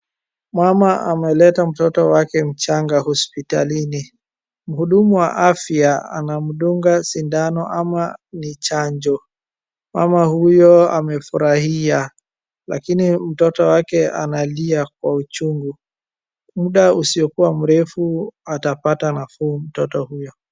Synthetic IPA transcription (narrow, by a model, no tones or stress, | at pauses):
mwamaamɛlɛtam̩tɔtɔwakɛm̩t͡ʃaŋɡahɔspita̰lini | m̩huɗumuwa̰ʔafiaa̰nam̩ɗuŋɡasindanɔʔamanit͡ʃaɲd͡ʒɔ | ma̰mahujɔamɛfuɾahia | la̰kinim̩tɔtɔwakɛa̰naliak̚waut͡ʃuŋɡu | muɗausiɔkuwam̩ɾɛfuatapatanafuum̩tɔtɔhujɔ